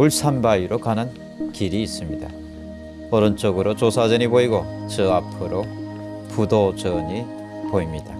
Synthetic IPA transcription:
uɭsʰanbaiɾokanɯn | kiɾiːs͈ɯmɲida̰ | ʌɾʌnt͡ɕ͈oɡɯɾot͡ɕosʰad͡ʑʌɲiboiɡot͡ɕɯapʰɯɾo | pudod͡ʑʌɲi | poimɲid̥a

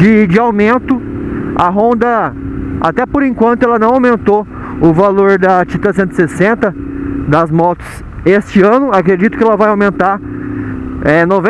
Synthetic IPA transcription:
d͡ʒɪd͡ʒɪawmẽnt̪ʊaɦõnd̪ɐ | a̰t̪ɛpʊɾẽŋkwɐ̃nt̪ʊɛlɐnɐ̃w̃awmẽnt̪o | ʊvaloɾd̪ɐt͡ʃit̪ɐsẽnt̪ɪ̥sesẽnt̪ɐd̪ɐzmɔt̪ʊ̥s | est͡ʃɪɐ̃nʊakɾed͡ʒit̪ʊ̥kɪɛlɐvajawmẽnt̪aɾ | ɛnovẽ

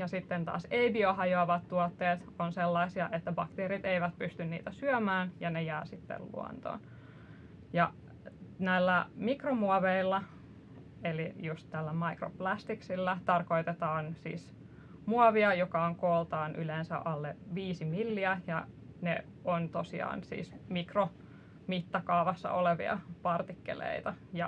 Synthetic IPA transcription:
jɑsit̪ːent̪ɑ̰ːseibioɦɑjoɑʋɑt̪tuɑt̪ːeːt̪ | onselːɑisiɑʔet̪ːæbɑkt̪eːɾit̪eiʋæt̪̚pyst̪ynnḭːt̪æsyømæːnjɑnejæːsit̪ːḛllṵo̰nt̪o̰ːn | jɑ | næilːæmikromuɑʋeilːɑ | elijust̪t̪ælːæmɑikro̰plæst̪iksilːæt̪ɑrkoit̪et̪ɑːnsḭːs | muɑʋiɑjokɑoŋkoːlt̪ɑːnʔyleːnsæ̰ʔɑlːeʋiːsimilːiæjɑne | ont̪osiɑ̰ːnsḭːsmikro | mit̪ːɑkɑːʋɑsːɑ̰ʔoleʋḭɑ̰pɑrt̪ikːḛlḛit̪ɑjɑ

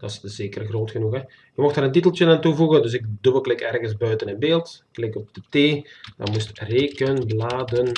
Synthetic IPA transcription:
d̥ɑszeːkərɣroːtxənuxɦɛ | jəmɔxtaːɾənt̬itəlˠtjənaːntuvuɣəndøs̬ɪk̚duməklɪkɛrɣənsbœɥtənənbeːlˠtklɪkɔp̚d̥əteːdɑ̰mustreːkənblaːdən

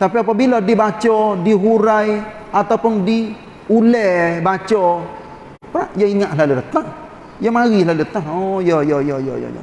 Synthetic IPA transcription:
t̪apiapabilɔdibat͡ʃɔdiɦuɾaj | ʔat̪awpʊndi | ulɛhbat͡ʃɔ | pɾa̰ʔjaiŋaʔɦlaludət̪aŋ | jamaɣilaludət̪aŋojɔjɔjɔjɔ̰jɔ̰jɔ̰

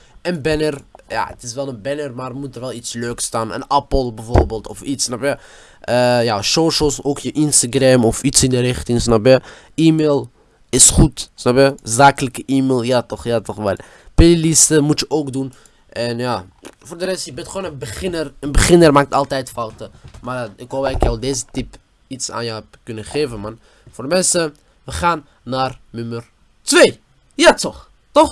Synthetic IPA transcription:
ʔənbɛnərja̰ːə̰tɪsʋɛlˠənbɛnərmaːrmutərʋɛlˠitsløːkstaːnə̰nɛpəlˠbəvoːrbeːlˠtɔfitsnɑpjə | ʔəjaːsowʃosowkjəʔɪnstaɡrɛmɔfitsɪndəɾɪχtɪŋsnɑpjə | ʔiːmeːlˠ | ɪsχutsnɑpjəzaːkələkəʔiːmeːlˠjatɔχjatɔχʋɛl | pelilistəmutjəʔoːkdun | ʔɛnjaː | voːrdəɾɛstjəbɛntχoːnənbəχɪnərənbəχɪnərmaːk̚tɑlˠtɛjtfɑwtəmaːɪkɦopɛkjawdeːzətip | itsa̰ːnjəɛpkʏnəχeːvənman | vʊːrdəmɛnsə | ʋəχaːnː | aːrnømər | tʋeː | jatɔχ | tɔχ

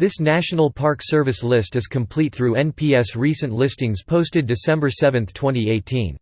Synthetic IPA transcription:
ðɪsnæʃənl̩ˠpʰɑɹksɜ˞vɨslɪstɨz̥kʰɨ̃mpʰl̥it̪̚θɹuɛ̃npʰiɛsɹisɨ̃nlɪstɪ̃ŋz̥pʰoʊstɨdɨsɛ̃mbə˞sɛvɨ̃nθtʰw̥ɛ̃ɾ̃ieɪtʰĩn

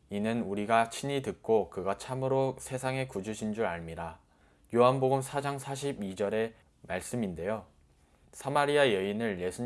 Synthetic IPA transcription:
inɯnuɾiɡat͡ɕʰiɲitɯk̚k͈okɯɡat͡ɕʰamɯɾosʰe̞sʰaŋe̞kud͡ʑuɕʰind͡ʑuɾaɭmiɾa | joɦanboɡɯmsʰad͡ʑaŋsʰaɕ̬ʰibid͡ʑʌɾe̞ | maɭs͈ɯminde̞jo | sʰamaɾiajʌinɯɭːesʰu

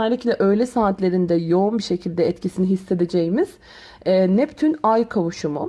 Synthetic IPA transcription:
æɾlʲiclʲɛʔø̞jlʲɛsaːt̪lʲe̞ɾind̪ɛjo̞unbiʃecʰilʲd̪ɛɛt̪cʰisiniɦisːe̞d̪ed͡ʒejimiz̥ː | nɛpt̪ʰynajkʰavuʃumṵ

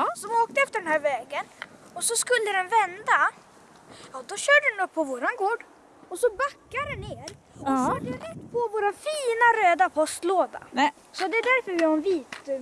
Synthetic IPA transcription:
sɔvoːk̚t̪əɛft̪əɖɛnhæːɾvɛːɡənɔsɔskɵlːəd̪ɛnvɛnd̪a | jɑːd̪ɔɕœːɖəɛnɔpʰːɔvoːɾanɡoːɖ | ɔsɔbakːaɾɛnːeːɾ | ɔɔhad̪jɑɾɛt̪ːpʰɔvoːɾafiːnaɾøːd̪apʰɔst̪loːd̪a̰ | sɔd̪ɛɛd̪æɾfœɾvɪhaɛnviːt̪

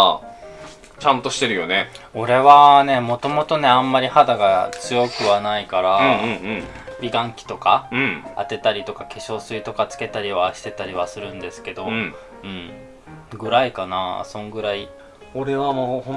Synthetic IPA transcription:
t͡ɕãnt̪o̞ɕi̥t̪e̞ɾɯ̟jo̞ne̞o̞ɾe̞βane̞mo̞t̪o̞mo̞t̪o̞ne̞ãmːaɾʲihad̪aɡat͡sɨjo̞kɯ̟βanaikaɾaɯ̃ɯ̃ɴ | bʲiɡãŋkʲi̥t̪o̞kaɯ̟̃a̰t̪e̞t̪aɾʲit̪o̞kakeɕo̞ːsɨit̪o̞kat͡sɨ̥ke̞t̪aɾʲiβaɕi̥t̪e̞t̪aɾʲiβ̞asɨɾɯ̟̃nd̪e̞sɨ̥ke̞d̪o̞ | ɯ̟̃ɴ | ɡɯ̟ɾaikanasõ̞ŋɡɯ̟ɾai | oɾe̞βamo

